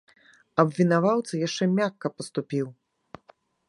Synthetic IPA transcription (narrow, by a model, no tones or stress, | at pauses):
ɐbvʲinavawt̪sɐjaʂt͡ʂɛmʲakːɐpɐst̪upʲiw